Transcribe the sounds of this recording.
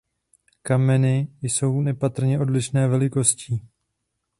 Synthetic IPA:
kamɛnɪjso̞wnɛpat̪r̩ɲɛʔo̞dlɪʃnɛːvɛlɪko̞sciː

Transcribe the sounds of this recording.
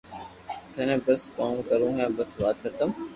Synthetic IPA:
t̪ʰənẽːbəspãːũːkəɾũːɦɛ̃ːbəsʋaːt̪kʰət̪əm

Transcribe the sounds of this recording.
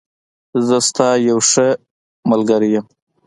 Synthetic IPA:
zəst̪ɑːjawʂə | malɡaɾijəm

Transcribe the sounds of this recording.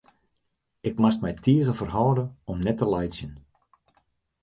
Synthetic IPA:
ɪkmastmɛjtʰiəɣəfərɦɔwdəɔmnɛtəlajsjən

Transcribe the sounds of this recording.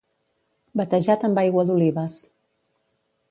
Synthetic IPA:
bət̪əʒat̪əmbajɣwəðuliβəs

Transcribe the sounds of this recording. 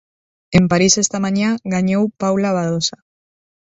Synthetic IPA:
empaɾisest̪amãɲaɣaɲowpawlaβaðosa

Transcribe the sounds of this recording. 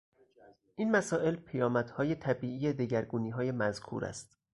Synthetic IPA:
ʔiːnmæsɒːʔe̞lpʰejɒːmæd̪̥hɒːje̞t̪ʰæbiːʔiːjed̪eɟæɾɡuːniːɦɒːje̞mæzkʰṵɾæ̰st̪

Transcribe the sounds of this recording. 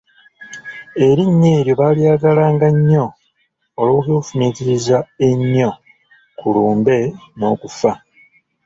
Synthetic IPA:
e̞ɾiɲːe̞ːɾjo̞βaːliaːɡalaːŋɡaɲːo̞ː | loːkoːfumiːtiɾizae̞ɲːo̞ | kuluːmbe̞no̞ːkufa

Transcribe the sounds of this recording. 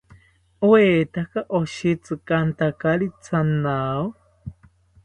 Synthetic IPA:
weːt̪akaʔoʃit͡sɨkant̪akaɾit͡sʰanaw

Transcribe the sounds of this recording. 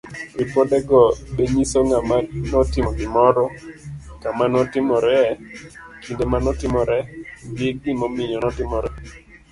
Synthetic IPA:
epodɛɡɔbeɲisoŋamanɔtɪmɔɡɪmɔɾɔkamanɔtɪmɔɾɛ | kindemanɔtɪmɔɾɛbɪɡ̚ɪmɔmɪɲɔnɔtɪmɔɾɛ

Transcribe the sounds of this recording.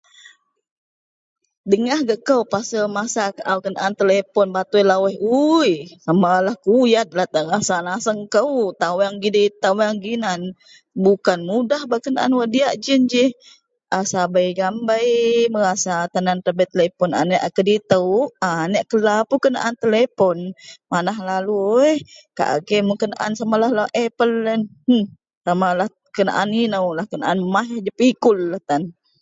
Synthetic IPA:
dəŋahɡəʔkəwpasəmasakəʔawkənaʔant̪əlepɔnbat̪ujlawɛɦujamalahkujat̪̚lat̪əɾasanasəŋkəwt̪awaŋɡidət̪awaŋɡinan | bukanmudahbakənaʔa̰nwadiaʔd͡ʒənd͡ʒɪh | ʔasabajɡambajməɾasat̪anant̪abɛt̪ːəlepɔna̰nɛʔakədit̪əwanɛʔkəlapukəna̰ʔant̪əlepɔnmanaɦlaluəhka̰ʔa̰ɡemukəna̰ʔa̰nsamalahlaʔepələn | samalah | kəna̰ʔaninəwlahkənaʔanmaɦd͡ʒəpikʊlːaht̪an

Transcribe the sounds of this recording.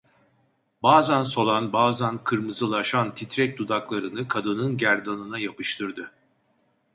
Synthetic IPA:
baːzænso̞lˠanbaːzænkʰɯɾmɯzɯlˠaʃant̪ʰit̪ɾɛc̚d̪ud̪aklˠaɾɯnɯkʰad̪ɯnɯnɟæɾd̪anɯnajapɯʃt̪ʰɯɾd̪ɯ

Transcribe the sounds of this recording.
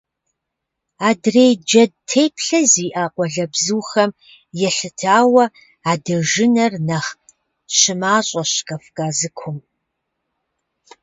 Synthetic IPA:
aːdrejd͡ʒɐd̚tʰeːjpʰɬɐziːʔaːqʷɔɮɐbzuːxɐm | jɛɬɨtʰaːwɐ | aːdɐʒɪnɐrnɐχʼ | ɕɪmaːɕʼɐɕkʼɐfkʼaːzɨkʷʰʊm

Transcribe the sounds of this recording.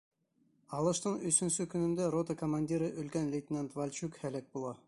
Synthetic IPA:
ɑlˠɤ̆ʃt̪ɤɴɵ̆sɵ̆nsɵkɵ̆nɘ̆nd̪æɾot̪əkomanʲdʲiɾɤʔɵ̆lkænlʲet̪ʲɪnʲent̪valʲt͡ɕʉkhælæk̚bulˠɑ

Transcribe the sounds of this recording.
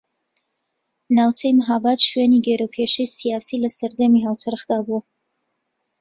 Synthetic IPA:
nawt͡s̪ʰɛjməɦabad̪ʃuɛniɡɛɾokʰeʃisijaːsiləsəɾd̪emiɦawt̪ʰəɾəχd̪abuə

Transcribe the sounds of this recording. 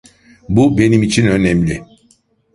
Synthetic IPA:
bube̞nimit͡ʃʰinø̞nɛmlʲɪ

